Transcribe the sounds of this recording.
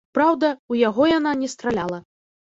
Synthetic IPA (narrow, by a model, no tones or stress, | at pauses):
pɾawd̪ɐujaɣɔjananʲɛst̪ɾalʲalˠɐ